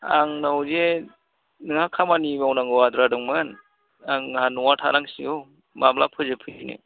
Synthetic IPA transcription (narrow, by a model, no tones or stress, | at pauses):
aŋnawze | nɯŋhakʰamanimawnaŋɡɯwad̪ɾadɯŋmɯn | aŋanɔwatʰaɾaŋsiɡɯw | mamlapʰɯzɯpʰɯɯnɯ̰